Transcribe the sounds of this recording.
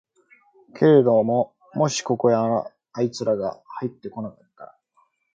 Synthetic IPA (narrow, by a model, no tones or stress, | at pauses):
kʰe̞ɾed̪o̞mo | mo̞ɕi̥ko̞ko̞ja | ait͡sɨɾaɡa̰hait̪ːe̞ko̞nakat̪ːa̰